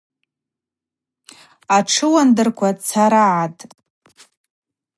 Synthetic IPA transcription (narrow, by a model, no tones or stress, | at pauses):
aʈ͡ʂʰɨwandɨrkʷʰat͡sʰaɾaʕatʼ